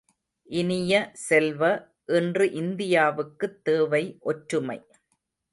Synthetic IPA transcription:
ʔɪnɪjɐsɛlʋɐ | ʔɛndrɯʔɪnd̪ɪjaːʋɯkːɯt̪ːeːʋɐɪʔɔʈɾɯmɐɪ

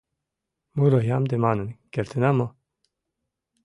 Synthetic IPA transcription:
muɾɔjaːmd̪emaːnɨnɡ̥ɛɾt̪ʰinamo

